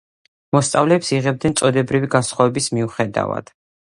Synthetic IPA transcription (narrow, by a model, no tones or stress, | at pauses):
mɔst̪sʼavlɛːpsiʁɛb̚d̪nɛnt̪sʼɔd̪ɛbɾiviɡasχɔvɛbismiuχɛd̪a̰va̰d̪̥